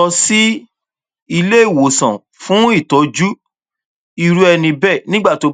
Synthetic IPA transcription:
ɔ˧si˦ | i˧le˦˨wo˨sã̰˨ | fũ˦i˦˨tɔ˨˦d͡ʒu˦ | i˧ɾu˦ɛ˧nĩ˧bɛ˦˨nĩ˦ɡ͡ba˦˨to˨˧

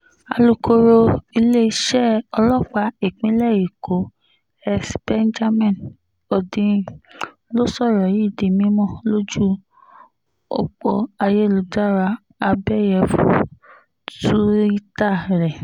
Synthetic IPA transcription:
a̰˨˧lu˧ko˧ɾo˧i˧le˦i˦ʃɛ˦˨ɔ˧lɔ˦k͡pa˧i˦˨k͡pĩ˨˦lɛ˦˨ji˨ko˨˦ | ɛ˦sbɛ˦nd͡ʒa˦mɛ̃˦˨n | o˨dĩ˧ | lo˦sɔ˦˨ɾɔ˨ji˦˨di˨mĩ˦mɔ̃˦˨lo˦d͡ʒu˦ | o̰˨k͡po˧a˧je˦˨lu˨˦da˦ɾa˧ | a˧bɛ˦jɛ˧˨fu˨ | tu˦ɾi˦ta˦˨ɾɛ˨

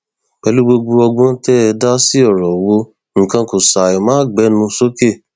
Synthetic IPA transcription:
k͡pɛ˧˦lu˦ɡ͡bo˧ɡ͡bu˧ɔ˧ɡ͡bɔ̃˦tɛ˦ɛ˧da˦si˦ɔ˦˨ɾɔ˨wo˧ | ŋ̩̃˨kã˧ko˨sa˨i˨mãː˦˨ɡ͡bɛ˨˦nũ˧so˦ke˦˨

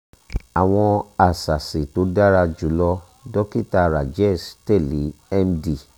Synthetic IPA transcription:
a˨w̃ɔ̃˧a˨sa˨se˨to˨˦da˦ɾa˧d͡ʒu˨˦lɔ˧ | dɔ˦ki˦ta˧ɾa˨d͡ʒɛ˦˨stɛ˦˨li˨˦ɛ˦mdi˨

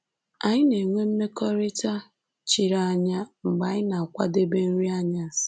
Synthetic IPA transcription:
a˨ɲɪ˦ne˨ŋʷe˦m̩˦me˦kɔ˦ɾi˦ta˦ | t͡ʃi˨ɾa˦˨a˦˨ɲa˦ŋ͡m̩˨ɡ͡ba˨ɲɪ˦na˨kʷa̰˦de˦be˦n̩˦ɾi˦a˦ɲa˦˨s

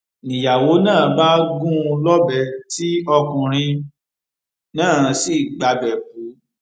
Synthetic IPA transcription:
nĩ˨ja˨wo˨˦nãː˦˨˦ba˦ɡũ˦˧lɔ˦bɛ˧˨ti˦ɔ˧kũ˧ɾ̃ĩ˧ | nãː˦˨˧si˦˨ɡ͡ba˧bɛ˨k̚u˨˦

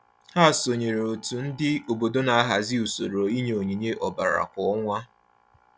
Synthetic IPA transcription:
ha˦˨so˨ɲe˨ɾo˨tu˨n̩˦dɪ˦o˨bo˨do˦na˨a˦ɦa˨zɪ˦u˨so˨ɾo˨i˦ɲ˨o˨ɲi˨ɲe˦ʔɔ˨ba˨ɾa̰˨kɔ˦ɔ˦ŋʷa˦

